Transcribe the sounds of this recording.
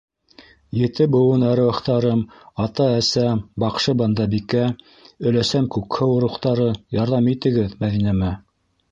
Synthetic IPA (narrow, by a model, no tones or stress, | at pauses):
jɘ̆t̪ɘbɤ̆wɤnɑɾɘ̆wɑ̆χt̪ɑɾɤm | ɑt̪ɑæsæbɑqʃɤbɑnd̪ɑbikæ | ɵ̆læsæmkʉkhɘwŏɾuχt̪ɑɾɤjɑɾðɑmit̪ɘ̆ɡɘðmæðinæmæ